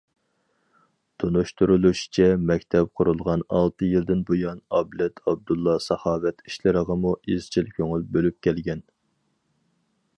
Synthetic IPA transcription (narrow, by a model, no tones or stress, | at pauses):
t̪ʰunuʃt̪ʰuɾulˠuʃi̥t͡ʃʰɛmɛkʲt̪ʰɛp̚qʰʊɾulˠʁɑnɑlˠt̪ʰɨjild̪ɪnbojɑnɑblɛt̪ʰɑb̚d̪ulˠːɑsɑhɑːvɛt̪ʰiʃlɪɾəʁɑmuiz̥t͡ʃʰilkʲøŋylbølyp̚kʲɛlɡʲɛn